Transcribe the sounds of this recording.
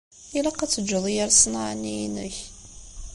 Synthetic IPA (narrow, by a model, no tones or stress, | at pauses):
ilaqæt͡sːəd͡ʒːəðˤjəɾsnʕaniinə̰ç